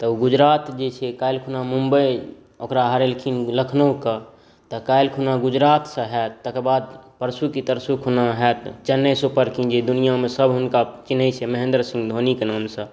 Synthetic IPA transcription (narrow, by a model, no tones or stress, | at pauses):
t̪əuɡud͡ʒɾat̪d͡ʒet͡ʃʰɛkajlkʰunamumbəj | okɾaɦəɾelkʰinləkʰnəukə | t̪əkajlkʰunaɡud͡ʒɾat̪sə̃ɦɛt̪ːəkebad̪̚pəɾsukit̪əɾsukʰunaɦɛt̪t͡ʃənːəsupəɾkid͡ʒed̪unijamẽsəbʱɦʊnkat͡ʃinəjt͡ʃʰɛməɦẽnd̪ɾsĩŋɡd̪ʱonikenaːmsə̃